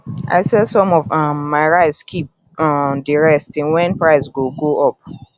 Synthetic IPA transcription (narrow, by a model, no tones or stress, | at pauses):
ʔa̰ɪsɛsɔ̃mɔvamːaɪɹaɪtskʰip̚ | diɹɛstĩnwɛ̃npɹaɪsɡoɡoʔɔp̚